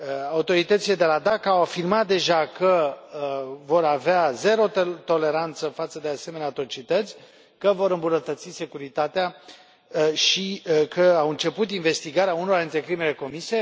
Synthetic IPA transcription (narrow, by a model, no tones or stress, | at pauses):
aut̪o̞ɾit̪ət̪sile̞d̪e̞lad̪akawafirmat̪̚d̪e̞ʒakə | vo̞ɾaveaze̞ɾo̞t̪o̞le̞ɾant̪səfat̪səd̪e̞ase̞me̞neat̪ɾo̞t͡ʃit̪ət̪sʲ | kəvo̞ɾɨmbunət̪ət̪sise̞kuɾit̪at̪ea | ʃikʰəawɨnt͡ʃe̞put̪̬inve̞st̪iɡaɾeauno̞ɾaint̪ɾe̞kɾime̞le̞ko̞misie